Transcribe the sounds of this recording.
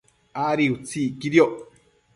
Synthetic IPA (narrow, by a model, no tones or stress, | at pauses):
aɾiut͡sikiɾioʔ